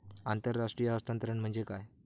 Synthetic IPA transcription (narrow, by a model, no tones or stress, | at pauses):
ant̪əɾːaʂʈɾijaɦəst̪ant̪əɾəɳm̤əɳd͡zekaj